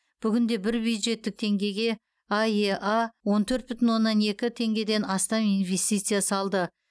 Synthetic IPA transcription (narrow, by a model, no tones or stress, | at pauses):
b̥ʏɡʲɪnd̪e̞bɪɾbjujd̪ʒe̞t̪ːɪk̚t̪ʰe̞ŋɡʲe̞ɡʲe̞ | ɑjeʔɑwo̞nt̪ʰɵɾt̪̚bʏt̪ɪnwo̞nːɑne̞kʲɪt̪ʰe̞ŋɡʲe̞d̪e̞nɑst̪ɑminvʲe̞st̪ijt̪sɨjasɑlˠd̪ə